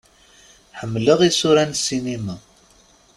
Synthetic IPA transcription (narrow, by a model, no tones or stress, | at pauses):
ħəmːləʁisuɾænsinimæ